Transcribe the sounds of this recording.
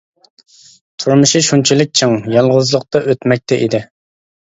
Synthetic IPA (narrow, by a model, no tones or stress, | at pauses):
t̪ʰuɾmuʃiʃunt͡ʃʰilɪk̚ʲt͡ʃʰɨŋjɑlˠʁʊzlˠʊqt̪ɑʔøt̪mɛk̚ʲt̪ʰɛʔid̪ɪ